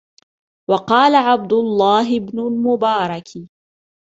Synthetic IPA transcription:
wɑqɑːlaʕab̚d̪ʊlˤːɑːɦɪbnʊlmʊbɑːɾˤɑk

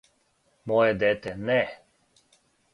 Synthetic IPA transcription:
mɔːjɛd̪eːt̪ɛnɛ

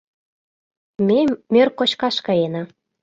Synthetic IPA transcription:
memʲørkoɕkɑʃkɑjenɑ

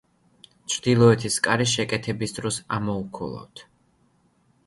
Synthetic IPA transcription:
t͡ʃʰɾd̪ilˠɔɛt̪ʰiskʼaɾiʃɛkʼɛt̪ʰɛbisd̪ɾɔsamɔukʰɔ̰lˠa̰vt̪ʰ

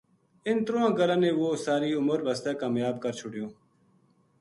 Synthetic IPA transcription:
ɪnt̪ɾoːãːɡəlãːnẽːʋoːsaːɾiːʊməɾbʱəst̪ɛːkaːmjaːb̚kəɾt͡ʃʰʊɽjõː

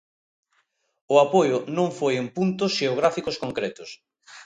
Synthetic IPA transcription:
ʊapojʊnõŋfojempunt̪ʊsʃeoɣ̞ɾafikʊskoŋkɾɛt̪ʊs

